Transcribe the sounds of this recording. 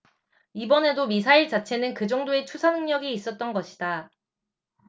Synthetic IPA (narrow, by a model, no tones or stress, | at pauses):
ibʌne̞domisʰaiɭt͡ɕat͡ɕʰe̞nɯnkɯd͡ʑʌŋdoe̞t͡ɕʰusʰanɯŋɲʌɡiːs͈ʌt̚t͈ʌnɡʌɕʰi̥da